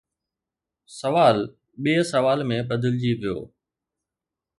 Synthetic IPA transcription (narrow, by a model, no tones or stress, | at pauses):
sɐʋaːl | ɓiːəsɐʋaːlmẽɓəd̪ʱɪld͡ʑiːʋijo̰ː